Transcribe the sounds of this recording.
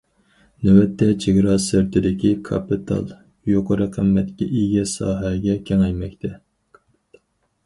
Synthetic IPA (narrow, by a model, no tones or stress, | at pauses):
newɛt̪ʰːɛt͡ʃʰeɡʲɾɑsɪɾt̪ʰɪd̪ɪkʲikʰɑ̰pit̪ʰɑ̰lˠ | joqəɾɨqʰəmːɛt̪kʲɛ̰ʔiɡʲɛsɑ̰ːɦɛɡʲɛkʲʰɛŋɛjmɛkʲt̪ʰɛ